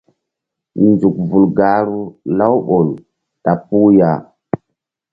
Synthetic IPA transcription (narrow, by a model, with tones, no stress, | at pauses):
nd͡zu˨k̚vu˨lɡa˨ɾu˦la˦wɓo˨l | ta˨pu˦ja˨